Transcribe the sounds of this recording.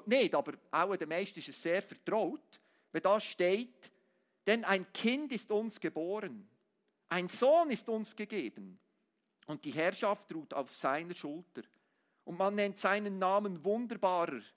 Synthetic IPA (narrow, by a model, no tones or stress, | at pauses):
neːtɑːbəɾʔa̰ʊədɛmɛʃtɪʃɛsseːɾfɛɐtɾɔʊt | veːdɑsʃteːt | d̥ɛnaɪnkʰɪndɪstʊnsɡ̥eboːɾən | ʔaɪnz̥oːnɪstʊnsɡ̥eɡeːb̥ən | ʊnt̚d̥iɦɛɐʃɑftruːta̰ʊfsaɪnəʃʊltəɾ | ʔʊntmanːɛntsaɪnənːaːmənvʊndəɾbaːɾə